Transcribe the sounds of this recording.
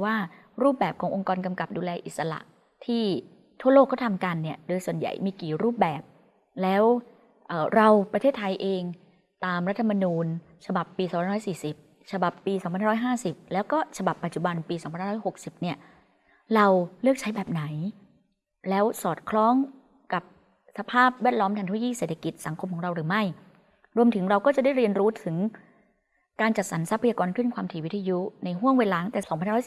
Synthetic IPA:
waː˥˩ | ɾuː˥˩p̚bɛː˨˩p̚kʰɔː˩˦ŋʔo˧ŋkɔː˧nka˧mka˨˩p̚duː˧lɛː˧ʔi˨t̪̚sa˧la̰˨˩ʔ | t̪ʰiː˥˩ | t̪ʰu˥˩ɐloː˥˩kːɔː˥˩t̪ʰmka˧nːi˦˥˩ɐdoː˧jsu˨˩ənja̰˨˩jmiː˧kiː˨˩ɾuː˥˩p̚bɛː˨˩p̚ | lɛː˦˥w | ʔɤː˨˩ɾa˧wpɾa˧t̪ʰeː˥˩t̪ʰːa˧jʔeː˧ŋ | t̪aː˧mɾa˦˥t̪ʰːa˧ma˧nuː˧n | t͡ɕʰa˧ba˨˩pːiː˧sːpa˧˦ɔː˥jsiː˨˩si˨˩p̚ | t͡ɕʰa˧ba˨˩pːiː˧sɔ˨˦mʰa˧nha˥˩ɔ˦˥jɦaː˥˩si˨˩p̚lɛː˦˥wkɔː˥˩t͡ɕʰa˧ba˨˩pːa˨˩t̪̚t͡ɕu˨˩ba˧npiː˧sɔː˨˦mʰa˧naː˥˩ɔ˥jho˨˩k̚si˨˩p̚ni˥˩ɐ | ɾa˧wlɯ˥˩ək̚t͡ɕʰa˦˥jbɛː˨˩p̚na˩˦j | lɛː˦˥wsɔː˨˩t̪̚kʰlɔː˦˥ŋ | ka˨˩p̚ | sa˧pʰaː˥˩p̚wɛː˥˩t̪̚lɔː˦˥mt̪ʰa˧ŋt̪ʰːkiː˥˩seː˨˩t̪ʰa˧ki˨˩t̪̚sa˩˦ŋkʰo˧mkʰɔː˩˦ŋɾa˧wɾɯː˩˦ma˥˩j | ɾu˧əmt̪ʰɯ˩˦ŋɾa˧wkɔː˥˩t͡ɕa˨˩da˥˩jɾi˧ənɾuː˦˥t̪ʰɯ˩˦ŋ | kaː˧nt͡ɕa˨˩t̪̚sa˩˦nsa˦˥pʰːjaː˧kɔː˧nkʰɯ˥˩nkwaː˧mt̪ʰiː˧˩wi˦˥t̪ʰːa˧ju˦˥na˧jɦu˥˩əŋweː˧laː˨˦˥ŋt̪ɛː˨˩sɔː˨˩˦ŋʰa˧ha˥ɾɔ˦˥s

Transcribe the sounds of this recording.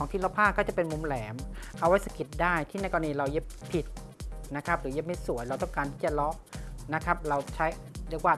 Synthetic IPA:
ɔː˨˦ŋt̪ʰiː˥˩lɔ˦˥pʰaː˥˩kːɔː˥˩t͡ɕa˨˩pe˧nmu˧mlɛː˩˦mʔa˧wa˥j̚sa˧ki˨˩t̪̚daː˥˩jt̪ʰiː˥˩nɛa˦˥kɔ˧niː˧ɾa˧wje˦˥pʰːi˨˩t̪̚ | na˦˥kʰa˦˥p̚ɾɯː˩˦je˦˥p̚ma˥˩jsu˨˩˦əjɾa˧wt̪ɔ˥˩ŋkaː˧nt̪ʰiː˥˩t͡ɕa˨˩lɔ˦˥ʔna˦˥kʰɾa˦˥p̚ɾa˧wt͡ɕʰa˦˥jɾɯ˥˩kwaː˥˩

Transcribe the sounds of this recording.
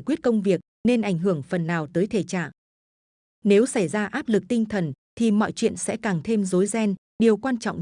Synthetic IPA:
jkwi˦˥ət̚kə˧wŋ͡mvi˨˩ək̚ne˧nʔa˧˩jŋ̟ɦɨ˧˩əŋfə˨˩nnaː˨˩wt̪əː˨˦jt̪ʰe˨˩t͡ɕa̰ː˧˨ŋ | ne˨˦wsa˧˩jzaː˧ʔaː˦˥p̚lɨ˨˩k̚t̪ï˧ŋ̟t̪ʰə˨˩nt̪ʰi˨˩mɔ̰˧˨jt͡ɕwḭ˧˨ənsɛ̰˧˥kaː˨˩ŋt̪ʰe˧mzo˨˦jzɛ˧n | ɗi˨˩əwkwaː˧nt͡ɕɔ̰˧˨wŋ͡m

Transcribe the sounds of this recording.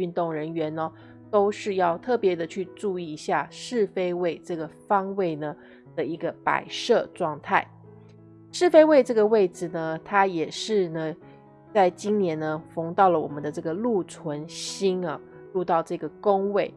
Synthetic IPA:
y˥˧nt̪ʊ˥˩ŋɻə˧˦˥nɥɛ˧˥nɐ˧˩ | t̪o˥ʊʂɻ̩˥˧jɑ˥˧ʊt̪ʰɤ˥˩pjɛ˧˥d̪ə˧t͡ɕʰy˥˧ʈ͡ʂu˥˧i˥˩˧ɕja˥˧ʂɻ̩˥˩fe˥ɪwe˥˧ɪʈ͡ʂɤ˥˩ɡə˩fɑ˥ŋwe˥˩ɪnə˩ | d̪̥ə˨i˧˥ɡə˧pa̰˨˩ɪʂɤ˥˧ʈ͡ʂwɑ˥˧ŋt̪ʰa˥˩ɪ | ʂɻ̩˥˩fe˥ɪwe˥˧ɪʈ͡ʂɤ˥˩ɡə˩we˥˩ɪd͡zɹ̩˨˩nə˦t̪ʰa˥jɛ˨˩ʂɻ̩˥˧nə˦ | t͡sa˥˩ɪt͡ɕi˥nnjɛ˧˥nə˧fʊ˧˥ŋt̪ɑ˥˩ʊlə˩wɔ̰˨˩mə˦nd̪ə˦ʈ͡ʂɤ˥˩ɡə˩lu˥˩t͡sʰwə˧˦˥nɕi˥nɐ˨lu˥˧t̪ɑ˥˧ʊʈ͡ʂɤ˥˩ɡə˩kʊ˥ŋwe˥˩ɪ

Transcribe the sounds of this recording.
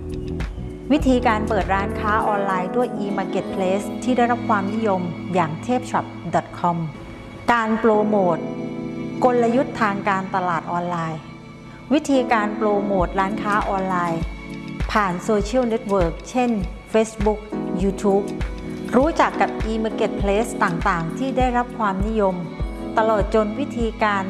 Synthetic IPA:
wi˦˥t̪ʰiː˧kaː˧npɤː˨˩t̪̚ɾaː˦˥nkʰaː˦˥ʔɔː˧nlaː˧jdu˥˩əjʔiː˧maː˧ke˨˩t̪̚pʰleː˦˥st̪ʰiː˥˩da˥˩jɾa˦˥p̚kʰwaː˧mni˦˥jo˧mjaː˨˩ŋt̪ʰeː˥˩p̚t͡ɕʰa˨˩p̚dɔ˨˩t̪̚kʰɔ˧m | kaː˧nploː˧moː˨˩t̪̚ko˧lla˧ju˦˥t̪ʰːaː˧ŋkaː˧nt̪a˧laː˨˩t̪̚ʔɔː˧nlaː˧j | wi˦˥t̪ʰiː˧kaː˧nploː˧moː˨˩t̪̚ɾaː˦˥nkʰaː˦˥ʔɔː˧nlaː˧jpʰaː˨˩nsoː˧t͡ɕʰi˥˩wne˦˥t̪̚wɤː˨˩k̚t͡ɕʰe˥˩nfeː˦˥sbu˦˥k̚juː˧t̪ʰuː˦˥p̚ɾuː˦˥t͡ɕa˨˩kːa˨˩p̚ʔiː˧me˧ke˨˩t̪̚pʰleː˦˥st̪aː˨˩ŋt̪aː˨˩ŋt̪ʰiː˥˩daː˥˩jɾa˦˥p̚kʰwaː˧mni˦˥jo˧m | t̪a˧loː˨˩t̪̚t͡ɕo˧nwi˦˥t̪ʰiː˧kaː˧n

